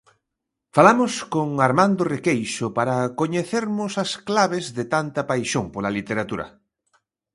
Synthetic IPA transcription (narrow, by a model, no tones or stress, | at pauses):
falamʊskoŋaɾmãnd̪orekejʃʊpaɾɐkoɲeθeɾmʊsɐsklaβ̞ezðɪt̪ant̪ɐpajʃoŋpolalit̪eɾat̪uɾɐ̰